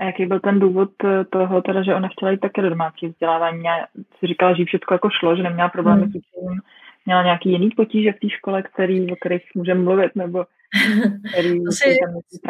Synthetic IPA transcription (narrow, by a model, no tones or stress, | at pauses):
ʔajakejbɪlt̪ɛnduːvo̞t̪t̪ːoɦot̪ɛɾaʒɛʔonaxcɛlajit̪ːakɛdodomaːt͡siːvzɟɛlaːvaːɲiːjaːsɪɾɪkalaʒɛjɪfʃɛtt͡skojakoʃlo̞ʒɛnɛmɲɛlapɾo̞blɛːmɪfcimtim | mɲɛlaɲeakiːjɪniːpo̞ciːʒɛft̪iːʃko̞lɛkt̪ɛɾiːvok̚t̪ɛɾixmuːʒɛmːluvɪt̪nɛbo̞ | t̪ɛɾiːoɛɛt̪amɲɛipɾ